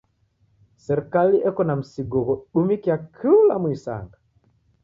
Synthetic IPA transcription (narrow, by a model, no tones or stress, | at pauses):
sɛɾkaliʔɛkɔnam̩siɡɔɣɔɗumikiakʰiulamwisa̰ŋɡa